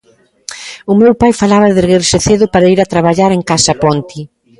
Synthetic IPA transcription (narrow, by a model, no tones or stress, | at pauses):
ʊmewpajfalaβɐðeɣeɾʃeθeðʊpaɾaiɾat̪ɾaβaʎaɾeŋkasapɔnt̪i